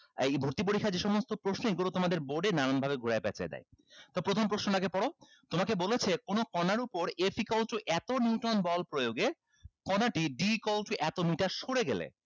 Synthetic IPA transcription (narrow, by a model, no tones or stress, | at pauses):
ejbʱoɾt̪ip̬oɾikʰːaɾd͡ʑeʃɔmost̪opɾosnoeɡulot̪omad̪eɾboɾɖenaɾanbʱabeɡʱuɾaepɛ̰t͡ɕa̰ed̪a̰jt̪ɔbepɾot̪ʰompɾosnoʈakepɔɽo | t̪omakebolet͡ɕʰekonokɔnaɾupoɾefʰikɔlʈuʔɛt̪oniuʈonbɔlpɾojoɡe | kɔnaʈiɖikɔlʈuʔɛt̪omiʈaɾʃoɽeɡelḛ